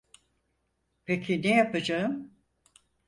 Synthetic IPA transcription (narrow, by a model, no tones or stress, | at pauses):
pʰecʰinejapad͡ʒaɯm